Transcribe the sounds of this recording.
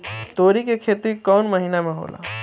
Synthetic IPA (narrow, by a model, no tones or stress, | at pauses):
t̪oːɾikekʰeːt̪ikɔːnməɦiːnamẽɦo̰ːla̰ː